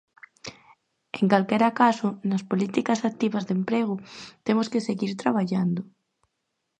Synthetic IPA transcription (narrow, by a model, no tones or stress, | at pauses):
eŋkalkeɾakasonaspolit̪ikasak̚t̪iβazðempɾeɣ̞ʊt̪emoskeseɣiɾt̪ɾaβ̞aʎand̪o